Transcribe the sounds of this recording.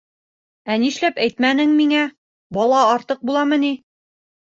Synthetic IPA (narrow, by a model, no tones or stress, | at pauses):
æniʃlæpæjt̪mænɘŋmiŋæ | bɒlˠɑːɾt̪ɤq̚bulˠɑmɤ̆ni